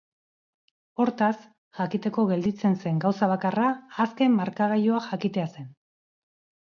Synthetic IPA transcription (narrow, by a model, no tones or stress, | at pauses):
o̞ɾt̪as | ʝakit̪e̞ko̞ɣe̞ld̪it͡se̞nse̞ŋɡawsaβ̞akaraːske̞mːaɾkaɣajoaxakit̪e̞ase̞n